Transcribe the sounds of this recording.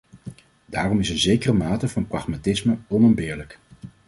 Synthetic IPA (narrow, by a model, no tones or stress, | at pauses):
daːrɔmɪsənzejkərəmaːtəvɑnprɑχmatɪsməɔnəmbɪːɹlək